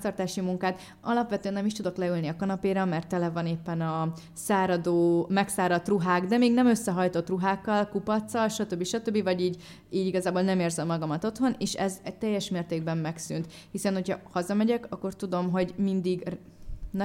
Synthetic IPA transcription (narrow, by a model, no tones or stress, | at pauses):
t̪ɒrt̪aːʃimuŋkaːt̪ | ɒlɒpʋɛt̪øɛnːɛmiʃt̪ud̪o̞klɛylniɒkɒnɒpeːɾɒmɛrt̪ːɛlɛvɒneːpːɛnɒ | saːɾɒd̪oːmɛksaːɾɒt̪ruɦaːɡd̪ɛmeːɡnɛmø̞sːɛɦɒjt̪o̞t̪ruɦaːkːɒlkupɒt̪sːɒlʃɒt̪ø̞bːiʃɒt̪øbːivɒɟiːɟ | iːɟiɡɒzaːbolnɛmeːrzɛmːɒɡɒmɒt̪o̞t̪ho̞neːʃɛzɛt̪ɛjːɛʃmeːrt̪eːɡ̚bɛmːɛksy̰nt̪ | hisɛnho̞chɒhɒzɒmɛɟɛkɒkːo̞rt̪ud̪o̞mɦo̞ɟmind̪iɡr | n